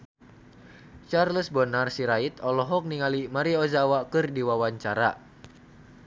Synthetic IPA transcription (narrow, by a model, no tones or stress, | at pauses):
t͡ʃarləsbɔnarsiɾait̪ɔlɔɦɔk̚niŋalimaɾiɔzawakɨrdiwawaɲt͡ʃaɾa